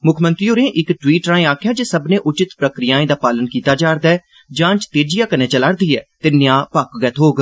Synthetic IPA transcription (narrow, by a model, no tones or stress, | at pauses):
mʊkʰmənt̪ɾiːoːɾẽːʔɪkʈwiːʈɾaːẽːaːkʰjaːd͡ʒeːsəbnẽːʔʊt͡ʃɪt̪pɾəkɾɪjãːẽːd̪aːpaːlənkiːt̪aːd͡ʒaːɾd̪aː | d͡ʒãːt͡ʃt̪eːd͡ʒɪjãːkənẽːt͡ʃəlaːɾd̪iːɛːt̪ɪnːɪjãːpəkɡɛːt̪ɦoːɡ